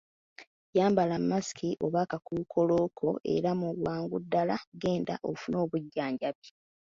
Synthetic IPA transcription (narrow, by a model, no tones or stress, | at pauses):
jaːmbalamːasi̥kiʔo̞βakakukʰo̞lo̞ːkʰo̞ʔe̞̰ɾamulwaːŋɡudːalaɡe̞ːnda̰ʔofuno̞ːβuɟːaːɲɟaβji